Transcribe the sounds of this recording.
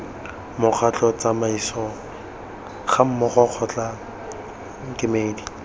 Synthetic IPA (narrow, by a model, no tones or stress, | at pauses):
mʊk͡xʰat͡ɬɔt͡samaisɔŋ̩ | χam̩mɔχɔq͡χʰɔt͡ɬa | kʼɪmeːdi